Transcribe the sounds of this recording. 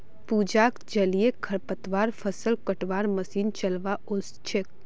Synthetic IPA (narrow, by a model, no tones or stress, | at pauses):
puːd͡ʒaːkd͡ʒɐliekʰɐɾpət̪ʋaːɾfʰəsəlkəʈʋaːɾməsiːnt͡ʃɐlʋaʊst͡ʃʰɪk̚